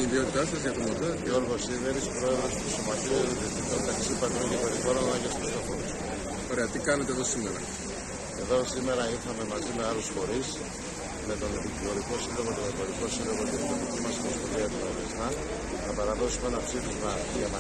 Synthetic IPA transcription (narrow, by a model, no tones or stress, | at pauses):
iðio̞t̪it̪ɐst̪ɐsiʝɐt̪omot̪oceoɾɣosiðeɾispɾo̞e̞ðɾo̞spusomɐt̪izet̪eðiot̪it̪ont̪ɐksipɐt̪ɾoŋcepoɾiɣoɾonɐʝesost̪ofoɾos | oɾe̞ɐt̪ikɐnet̪eðo̞sime̞ɾɐ̰ | e̞ðo̞sime̞ɾɐiɾxɐme̞mɐzime̞ɐlusfo̞ɾis | me̞t̪o̞nepiklo̞ɾiko̞silo̞ɣot̪oðɐvoɾiko̞silo̞ɣot̪it̪it̪oðicimɐsnospoðiɐt̪oɐvezmɐ | nɐpɐɾɐðo̞sume̞nɐpsifizmɐ | ɐmɐ